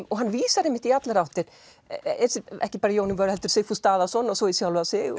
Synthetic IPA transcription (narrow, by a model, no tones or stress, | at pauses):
ɔɣɦanːviːsaɾejmɪht̪iat̪laɾawht̪ɪɾ | ɛɾsɪɛ̰hcɪpaːɾajownɪnvœɾhɛlt̪ʏɾ̥seːjfust̪aːðasɔnːɔsɔisjawlvasɪ